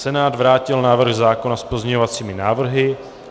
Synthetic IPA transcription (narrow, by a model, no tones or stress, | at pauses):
sɛnaːd̪vɾaːcɪlnaːvr̩ɣzaːko̞naspozɲɛɲovat͡siːmɪnaːvr̩ɦɪ